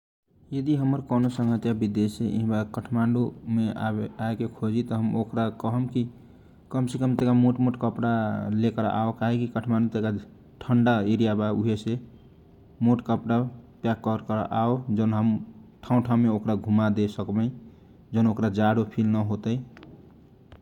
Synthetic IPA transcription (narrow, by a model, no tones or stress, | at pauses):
jəd̪iɦəməɾkɔnosə̃ŋɡət̪jabid̪eseḭɦbakəʈʰmaɳɖumeaeaekekʰod͡ʒit̪ɔɦəmokɾakəɦəmki | kəmsekəmt̪ekamoʈmoʈkəpɽalekəɾ̰ʔa̰okaɦekikəʈʰmaɳɖut̪eka | ʈʰəɳɖaeɾijabauɦese | moʈkəpɽapjakːəɾkəɾ̰ʔaod͡ʒənɦəmʈʰaũʈʰãmeokɾaɡʱumad̪esəkbɛ̃ | d͡ʒənokɾad͡ʒaɽopʰilnəɦot̪əj